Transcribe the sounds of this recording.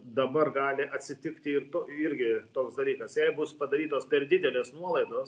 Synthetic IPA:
d̪ɐbɐrɡɑːlʲɪʔɐt̪ʲsʲɪt̪ʲɪkt̪ʲɪɪrt̪oːɪɾʲɡʲɪt̪oːksd̪ɐlʲiːkɐsjɛɪbʊspɐd̪ɐɾʲiːt̪oːspʲɛrd̪ʲɪd̪ʲɛlʲeːsnuɔlˠɐɪd̪oːs

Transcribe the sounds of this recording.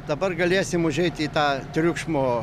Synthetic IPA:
d̪ɐbɐrɡɐlʲeːsʲɪmʊʒʲɛɪt̪ʲiːt̪ɑːt̪ʲɾʲʊkʃmoː

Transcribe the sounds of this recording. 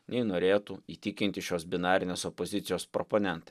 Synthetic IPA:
nʲɛɪnoːɾʲeːt̪uiːt̪ʲɪkʲɪnʲt̪ʲɪʃʲoːsbʲɪnɑːɾʲɪnʲeːsɔpozʲɪt̪sʲɪjoːspɾɔponʲɛnt̪ɐ

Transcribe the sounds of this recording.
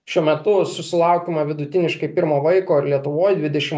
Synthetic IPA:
ʃʲuɔmʲɛt̪ʊsʊsʲɪlˠɐˑʊkʲeːmɐʋʲɪd̪ʊt̪ʲɪnʲɪʃkɐɪpʲɪɾmoːʋɐɪkoːɪɾlʲiɛt̪ʊʋoːjd̪ʲʋʲɪd̪ʲɛʃʲɪm

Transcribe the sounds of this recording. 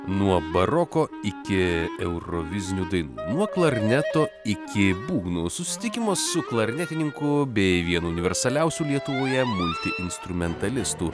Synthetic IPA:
nuɔbɐɾɔkoːɪkʲɪɛʊɾɔʋʲɪzʲɪnʲuːd̪ɐɪnṵːnuɔklˠɐɾʲnʲɛt̪oːɪkʲɪbuːɡnusʊsʲɪ̥t̪ʲɪkʲɪmoːsːʊklˠɐɾʲnʲɛt̪ʲɪnʲɪŋkʊbʲɛɪʋʲiɛnuːʊnʲɪʋʲɛɾsɐlʲɛʊsʲuːlʲiɛt̪ʊʋoːjɛmʊlʲt̪ʲɪʔɪnst̪ɾʊmʲɛnt̪ɐlʲɪst̪uː

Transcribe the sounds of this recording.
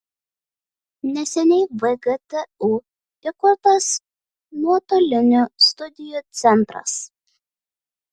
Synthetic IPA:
nʲɛsʲɛnʲɛɪʋɛɡɛt̪ɛu | ɪkʊɾt̪ɐs | muɔt̪oːlʲɪnʲost̪ʊd̪ʲɪjuːt̪sʲɛnˑt̪ɾɐ̰s

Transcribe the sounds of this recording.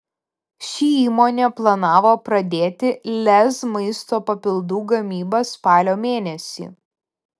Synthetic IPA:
ʃʲiːiːmoːnʲeːplˠɐnɑːʋoːpɾɐd̪ʲeːt̪ʲɪlʲɛsmɐɪst̪oːpɐpʲɪlˠd̪uːɡɐmʲiːbɐspɑːlʲoːmʲeːnʲɛsʲḭː

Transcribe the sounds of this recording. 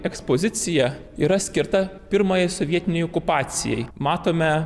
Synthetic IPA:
ɛkspoːzʲɪt̪sʲɪjɛ | ḭːɾɐsʲkʲɪɾt̪ɐpʲɪɾmoːjɛɪsɔʋʲiɛt̪ʲɪnʲɛjokʊpɑːt̪sʲɪ̰jɛ̰jmɑːt̪oːmʲɛ

